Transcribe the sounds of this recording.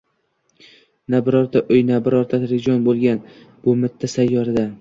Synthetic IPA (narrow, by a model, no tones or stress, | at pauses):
nabɪɾɒɾt̪ʰaʔɵjnabɪɾɒɾt̪ʰat̪ɾɪd͡ʒɒnbolˠɡʲan | b̥ʊmɪt̪ʰːasajːɒɾɪd̪a